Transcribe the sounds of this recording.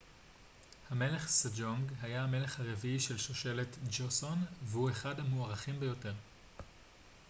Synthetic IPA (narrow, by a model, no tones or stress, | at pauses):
hame̞le̞χsad͡ʒoŋɡɦajaame̞le̞χhaʁe̞viiʃe̞lʃoʃe̞le̞t̪d͡ʒosonvehue̞χadhamuaʁaχimbejo̞te̞ʁ